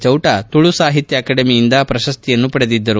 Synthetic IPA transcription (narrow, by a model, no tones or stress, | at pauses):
t͡ʃɐwʈɐt̪uɭusaːɦit̪jɐːkɐːɖɐmijind̪ɐpɾɐʃɐst̪ʰijɐnːupɐɽed̪id̪ːɐɾu